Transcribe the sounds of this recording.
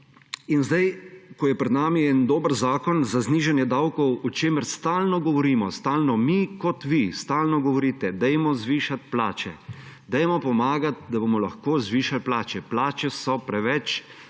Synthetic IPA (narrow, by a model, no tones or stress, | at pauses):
inzd̪ajkɔjɛpɾɛd̪naːmiɛnd̪oːbəɾzaːkɔnzazniːʒanjɛd̪awkɔwɔt͡ʃeːməɾst̪aːlnɔɡɔʋɔɾiːmɔst̪aːlnɔmikɔt̪ʋist̪aːlnɔɡɔʋɔɾiːt̪ɛd̪ɛjmɔzʋiːʃat̪pla̰ːt͡ʃɛd̪ɛjmɔpɔmaːɡat̪̚d̪abomɔlaxkoːzʋiːʃalplaːt͡ʃɛplaːt͡ʃɛsɔpɾɛʋɛt͡ʃ